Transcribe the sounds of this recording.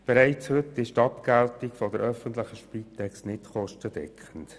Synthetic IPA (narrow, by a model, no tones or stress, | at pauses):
b̥ɛɾæɪt͡shʏtːɪʃtɑpkæltɪkfɔdəɾœfəntlɪχəʃpitʰɛkstnɪtχɔʃtəd̥ɛ̰kχənt